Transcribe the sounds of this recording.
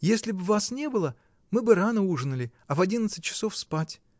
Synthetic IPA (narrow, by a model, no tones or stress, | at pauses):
jesʲlʲɪbvasnʲe̞bɨlˠə | mɨbɨɾanəuʐɨnəlʲɪ | ɐvɐdʲinət̪sɨtʲt͡ɕːɪ̥so̞fspatʲ